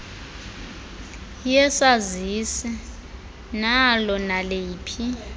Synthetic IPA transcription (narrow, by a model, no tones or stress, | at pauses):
jɛsazisi | nalɔnaleːpʰi